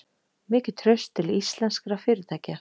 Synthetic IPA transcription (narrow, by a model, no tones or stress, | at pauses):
mɪːcɪt̪ʰɾœɥst̪ʰːɪlist̪lɛnskɾafɪːɾɪt̪ʰaːjca